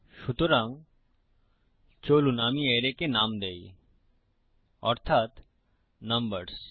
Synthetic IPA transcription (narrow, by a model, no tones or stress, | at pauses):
ʃut̪oɾaŋ | t͡ɕolunamieɾekenamd̪ej | ɔɾt̪ʰat̪ | nɐmbəɾs